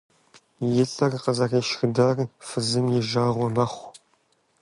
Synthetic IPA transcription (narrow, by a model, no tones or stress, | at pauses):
jɪɬʼɐrqəzɐreːʃxdarfɨzɨmjɪʒaːʁʷɔmɐχʷ